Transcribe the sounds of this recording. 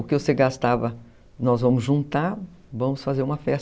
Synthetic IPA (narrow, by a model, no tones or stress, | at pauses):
ʊkɪvoseɡast̪avɐ | nɔzvɐ̃mʊzʒũnt̪aɾvɐ̃mʊsfazeɾũmɐfɛs